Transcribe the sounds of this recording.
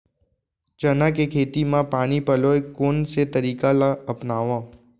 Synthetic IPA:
t͡ʃənakekʰeːt̪imãpaːnipəloːekoːnset̪əɾiːkalaəpnaːʋãː

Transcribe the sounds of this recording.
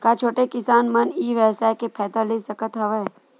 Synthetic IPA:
kat͡ʃʰoːʈekɪsaːnmɐniːʋɛːsaːjkepʰɛːt̪aːliːsɾəkət̪ɦɐʋeː

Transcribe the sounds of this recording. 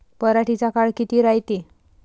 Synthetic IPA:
pəɾaʈit͡sakaɭkit̪iːɾajt̪i

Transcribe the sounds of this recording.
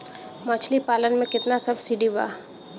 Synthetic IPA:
mət͡ʃʰlipaːlənmẽkɪt̪nasɐbsiɖiba̰ː

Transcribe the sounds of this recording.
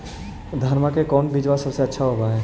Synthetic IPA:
d̪ʱəɾmakekɔːnbɪd͡ʒʋasɐbseɐtːʃʰaɦobaɦɛː

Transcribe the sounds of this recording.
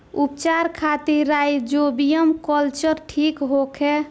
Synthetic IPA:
upt͡ʃaɾkʰat̪iɾajd͡ʒobijəmkəlt͡ʃəɾʈʰikɦokʰe

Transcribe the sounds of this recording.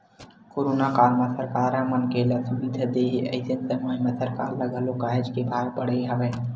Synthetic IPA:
koɾonakaɾmãsəɾkaɾãmənkeləsubid̪ʱəd̪eɦiʔə̰ɪsənsəmamãsəɾka̰ɾːəɡəlokaed͡ʒkebʱaɾpəɽeabɛ

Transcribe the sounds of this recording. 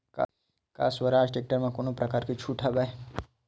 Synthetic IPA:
ka̰ | ka̰ːswɐɾaːd͡ʒʈek̚ʈəɾmãkonopɾɐkaːɾkit͡ʃʰuʈʰaba

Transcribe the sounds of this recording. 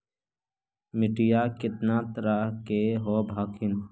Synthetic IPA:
mɪʈijaːkɪt̪naːt̪ɾakeɦobʱaːkʰɪn

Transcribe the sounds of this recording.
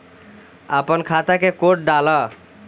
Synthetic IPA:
əpənkʰat̪akekoʈ̚ɖalə

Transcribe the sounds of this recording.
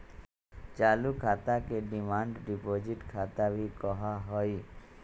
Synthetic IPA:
t͡ʃaːlukʰaːt̪akeɖɪmãːɳɖɖɪpoːd͡ʒɪʈkʰaːt̪abʱikɔɦaɦɔi

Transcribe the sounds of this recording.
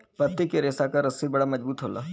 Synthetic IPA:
pɐt̪ːɪkeɾeːsakaɾɐsibɐɽamɐd͡ʒbuːt̪ɦoːla̰ː

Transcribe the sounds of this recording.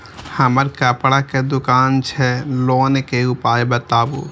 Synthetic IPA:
həməɾkəpɽaked̪ʊkaːnt͡ʃʰɛloːnkeupaːebət̪aːbṵː

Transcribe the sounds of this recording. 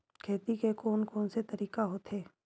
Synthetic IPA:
kʰeːt̪ikekoːnkoːnset̪əɾiːkaɦoːt̪ɦeː

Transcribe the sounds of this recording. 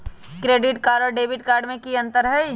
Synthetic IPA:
kɾeːɖɪʈkaːɾɖɔɾɖeːbʱɪʈkaːɾɖmẽkiə̃nt̪əɾɦɛj

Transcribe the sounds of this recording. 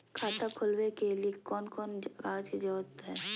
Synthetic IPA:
kʰaːt̪akʰʊlwekeliekɔːnkɔːnɾaːd͡ʒd͡ʒɔːt̪ɦɛː

